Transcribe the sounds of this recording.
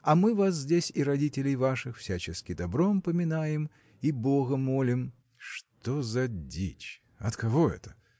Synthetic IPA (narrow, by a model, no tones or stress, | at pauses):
ɐmɨvas̬zʲdʲesʲiɾɐdʲitʲɪlʲɪjvaʂɨxfsʲæt͡ɕɪskʲɪd̪ɐbɾompəmʲɪnajɪm | ibo̞ɣəmo̞lʲɪm | ʂt̪o̞zɐdʲḭt͡ɕ | ɐt̪kɐvo̞ɛ̰t̪ə̥